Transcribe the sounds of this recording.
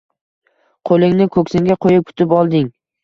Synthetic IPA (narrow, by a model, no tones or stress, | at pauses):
qʰolˠɪŋnɪkʰɵkʲsɪŋɡʲaqʰojɪp̚kʰʊ̥t̪ʰɪpɒlˠd̪ɪŋ